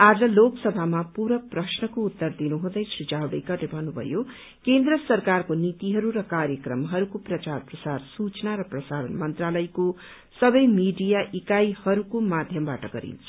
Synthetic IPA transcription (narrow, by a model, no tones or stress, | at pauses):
ad͡zʌloksʌbʱamapuɾʌprʌsnʌkoːt̪ːʌrd̪inuɦũd̪ʌjsɾid͡zawɽʌjkʌrlebʱʌnːubʱʌ̰jo | kend̪rʌsʌrkarkonit̪iɦʌɾuɾʌkarjʌkrʌmɦʌɾukoprʌt͡sarprʌsarsut͡snaɾʌprʌsaɾʌnmʌnt̪ralʌjko | sʌbʌjmiɖijaʔikajhʌɾukomad̪ʱjʌmba̰ʈʌ̰ɡʌ̰ɾḭnt͡sʰu̥